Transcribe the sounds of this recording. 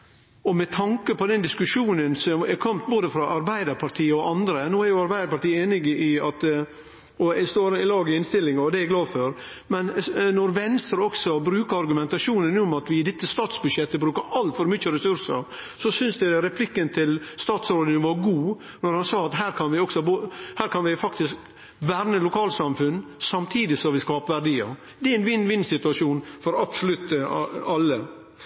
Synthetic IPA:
ɔmɛt̪ʰɑŋkəpʰɔd̪ɛnd̪ɪskʉʂuːnənsɔmɛɾkʰɔmt̪boːd̪əfɾɑʔɑɾbæɪd̪əɾpʰɑɾʈ̪ʰiːəɔʔɑnd̪ɾənoːæɾjʊɑɾbæɪd̪əɾpɑʈ̪iːəeːnɪɡɪɑt̪ | ɔst̪oːɾɪlɑːɡɪɪnst̪ɪlːɪŋɑɔd̪ɛæɡlɑːd̪fœɾ | mɛnnɔɾʋɛnst̪əɾɔksɔbɾʉːkəɾɑɾɡʉmɛnt̪ɑʂuːnənɔmɑt̪ʋɪɪd̪ɛt̪ːəst̪ɑːt̪sbʉd̪ʂʃjɛt̪ːəbɾʉːkəɾɑlt̪fɔɾmʏt͡ʃːəɾɛsʉɾʂə̰ɾ | sɔsʏnsd̪ɛɾɛpʰlɪkːənt̪ʰɪlst̪ɑːt̪sɾoːd̪ɪŋʋɑɾɡuː | nɔɾhɑnsɑːɑt̪ɦæːɾkʰɑnʋɪɔksɔbohæːɾkʰɑnʋɪfɑkt̪ɪsk | ʋæːɾnəlʊkʰɑːlsɑmfʉnːsɑmt̪ʰiːd̪ɪsɔʋɪskɑhɑːpʋæɖiːə̰ | d̪ɛæɛɪnʋɪnːʋɪnːsɪt̪ʉɑʂuːnfɔɾɑbsɔlʉt̪ːɑlːə

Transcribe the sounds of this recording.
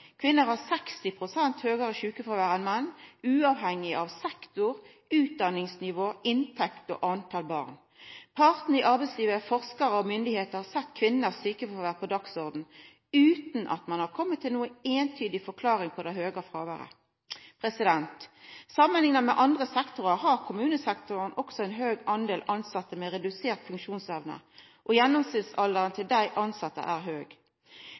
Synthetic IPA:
kʰʋɪnːəɾhɑʁsɛkst̪ɪpʰʁʊsɛnt̪høːɡəʁəʃʉːkəfɔʋæːʁɛnmɛnːʉːɑʋɦɛŋːɪɑʋsɛkt̪ʊɾ | ʉːt̪̚d̪ɑnɪŋsnɪʋoːʔɪnt̪ʰɛkt̪ɔ̰ʔɑnt̪ʰɑːlbɑ̰ːʁn | pʰɑʁt̪n̩ɪʔɑɾbɛɪsliːʋəfɔʁskəɾəɔmʏnd̪ɪheːt̪əɾhɑsɛt̪ːkʰʋɪnːəʁsyːkəfɔʋæːʁpʰɔd̪ɑksɔʁd̪n̩ | ʉːt̪n̩ʔɑ̰t̪mɑnhɑʁkʰɔmːət̪ʰːɪlnuːəeːnt̪ʰyːd̪ɪfɔʁkʰlɑːɾɪŋpʰɔd̪æɪhøːɡɑfʁɑːʋəʁə̰ | pʰɾɛsɪd̪ɛnt̪sɑmːənlɪŋnəmɛʔɑnd̪ʁəsɛkt̪ʊʁəʁɦɑʁkʰʊmʉːnəsɛkt̪ʊʁnʔɔksɔɛnɦøːɡɑnd̪eːlʔɑnsɑt̪ːəmɛɾɛd̪ʉseːʁt̪fʉŋkʃuːnsœʋnə̰ | ʔɔjɛnːɔmsɪlsɑld̪əʁənt̪ʰɪld̪æɪʔɑnsɑt̪ːə̰ʔæːʁɦøːɡ

